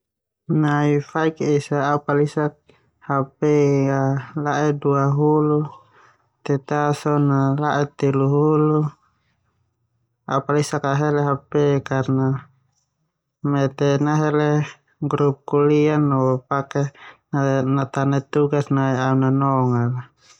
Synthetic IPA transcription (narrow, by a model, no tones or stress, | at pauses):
naifaikisaaupalisak̚ | hapɛalaʔɛduaɦulu | t̪ɛt̪asɔnalaʔɛt̪iluɦulu | a̰upalisakaɦɛlɛɦapɛkarna | mɛt̪ɛnaɦɛlɛ | ɡɾup̚kulianːɔpakɛnanat̪anɛt̪uɡasnaiaunanɔŋala